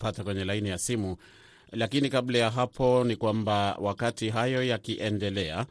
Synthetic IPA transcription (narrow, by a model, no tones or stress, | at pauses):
patakwɛɲɛlainijasimu | lakinikablajaɦapʰɔnikwambawʔakatiɦajɔjakiʔɛndɛlɛa